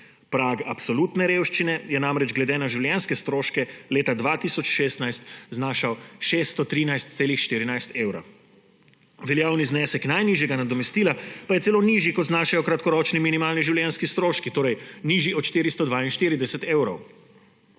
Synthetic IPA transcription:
pɾaːɡapsɔluːt̪nɛɾeːwʃt͡ʃinɛjɛnamɾɛd͡ʒɡlɛd̪enaʒiwljɛnskɛst̪ɾoːʃkɛleːt̪ad̪ʋaːt̪isɔt͡ʃʃeːst̪najst̪znaːʃawʃest̪ɔt̪ɾiːnajst̪̚seːlixʃt̪iːɾinajst̪eːwɾɐ̰ | ʋɛljaːwniznɛːsɛknajniːʒjɛɡanad̪ɔmɛst̪iːlapajɛsɛloːniʒjikɔt̪znaːʃajɔkɾat̪kɔɾɔːt͡ʃniminimaːlniʒiwljɛnskist̪ɾoːʃkit̪oːɾɛjniːʒiɔt̪ʃt̪iːɾist̪ɔd̪ʋaːinʃt̪iːɾid̪ɛsɛt̪eːwɾɔw

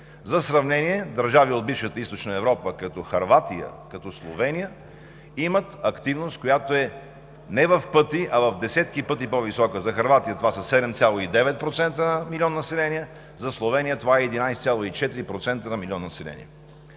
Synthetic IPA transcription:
zɐsɾɐvnɛniɛd̪əɾʒaviod̪̚bifʃət̪əist̪ot͡ʃnəɛvɾɔpəkɐt̪ɔxɐɾvat̪ijə̰kɐt̪ɔslˠo̰vɛnijə | imət̪ɐkt̪ivnost̪̚kojat̪oɛ | nɛvɐfpɤt̪iʔɐvɐvd̪ɛsɛt̪kipɤt̪̬ipovisɔkəzɐxɐɾvat̪ijət̪ovasɐsɛd̪ɛmt̪sʲjalˠoid̪ɛvɛt̪̚pɾot̪sɛnt̪ənɐmilʲiɔnːnɐsɛlɛnijə | zɐslˠovɛnijət̪ovaɛɛd̪inajst̪sʲjalˠoit͡ʃɛt̪iɾipɾot̪sɛnt̪ənɐmilʲɔnːnɐsɛlɛ̰nʲḭə̰

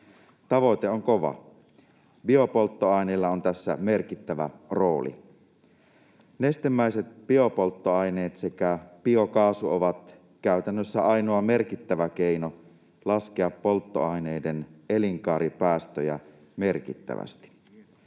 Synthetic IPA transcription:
t̪ɑʋoit̪eoŋkoʋɑ̰ | biopolt̪ːoɑineilːɑont̪æsːæ̰merkit̪ːæʋæ̰ro̞ːlḭ | nest̪emːæiset̪̚biopolt̪ːoɑineːt̪sekæpiokɑːsuoʋɑt̪ | kæyt̪ænːøsːæɑinoɑmerkit̪ːæʋækeino | lɑskeɑppolt̪ːoɑineideneliŋkɑːɾipæːst̪øjæ̰ | merkit̪ːæ̰ʋæ̰st̪i̥

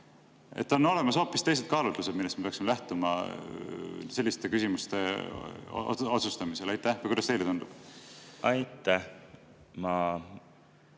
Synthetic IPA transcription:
ḛt̪ːo̞nːo̞le̞mɑso̞ːpːˑist̪e̞js̬ed̪̚kɑːlut̪luse̥milːestmeeɑksimelæht̪umɑ̰ | se̞lːist̪e̞kysimust̪e̞̰ | o̰o̞t̪sust̪ɑmise̞lɑjt̪ːˑæhvɑjkujd̪ɑst̪ejlet̪und̪̥ub̥ɑjt̪ːæh | mɑ

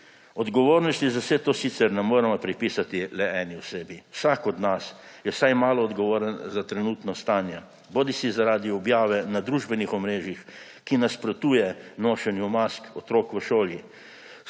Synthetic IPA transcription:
ɔd̪ɡɔʋoːɾnɔst̪izawsɛt̪oːsiːt̪sɛɾnɛmoːɾɛmɔpɾipiːsat̪ilɛɛːniwseːbiwsaːkɔd̪nasjɛwsajmaːlɔːd̪ɡɔʋoːɾənzat̪ɾɛnuːt̪nɔst̪aːnja | boːd̪isizaɾaːd̪iɔbjaːʋɛnad̪ɾuːʒbɛnixɔmɾeːʒjix | kinaspɾɔt̪uːjɛnoːʃɛnjumaskɔt̪ɾoːkʋəʃoːlji

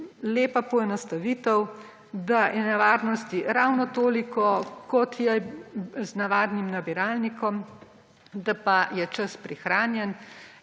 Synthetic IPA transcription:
leːpapɔɛnɔst̪aʋiːt̪əw | d̪ajɛnɛʋaːɾnɔst̪iɾawnɔt̪oːlikɔkɔt̪jɛ | znaʋaːd̪nimnabiɾaːlnikɔm | d̪apajɛt͡ʃəspɾixɾaːnjɛn

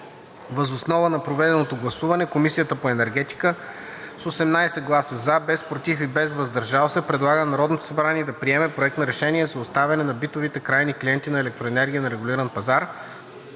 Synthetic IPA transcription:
vəzosnɔvənɐpɾovɛd̪ɛnot̪oɡlˠɐsuvɐnɛkomisijət̪əpoɛnɛɾɡɛt̪i̥kəsosɛmnajsɛɡlˠasəzabɛspɾot̪ifibɛzvɐzd̪ɐɾʒalˠsɛpɾɛd̪lˠaɡənɐɾɔd̪not̪o̥sɐbɾaniɛd̪ɐpɾiɛmɛpɾoɛkt̪nɐɾɛʃɛniɛzɐʊst̪avʲɐnɛnɐbit̪ovit̪ɛkɾajniklʲijɛnt̪inɐɛlɛk̚t̪ɾoɛnɛɾɡʲiənɐɾɛɡʊlʲiɾənpɐzaɾ

